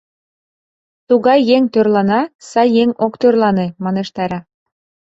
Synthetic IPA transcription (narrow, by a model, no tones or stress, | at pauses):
t̪uɣɑjːeŋt̪ørlɑnɑsɑjːeŋokt̪ørlɑnemɑneʃt̪ɑɾɑ